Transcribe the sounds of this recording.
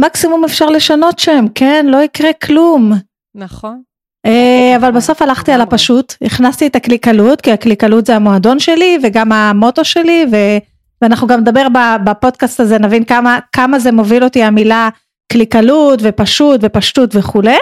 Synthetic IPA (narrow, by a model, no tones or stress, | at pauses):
maksimumefʃaʁle̞ʃano̞tʃamkenlo̞ikʁekʰlum | naχon | eavalbaso̞falaχt̪ialapaʃutniχnast̪iet̪aklikalutkiaklikalutzeamoado̞nʃe̞live̞ɡamamo̞to̞ʃe̞live̞ | veanaχnuɡamned̪abe̞ʁbabapo̞d̪̚kast̪aze̞navinkamakamazemo̞vilo̞tiamila | klikalutve̞paʃutve̞paʃtutveχule